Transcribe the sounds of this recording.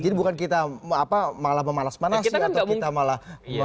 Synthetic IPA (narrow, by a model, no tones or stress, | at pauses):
d͡ʒadibukankit̪aapamalahməmalasmanasitɲaaɡauiŋt̪amalahmə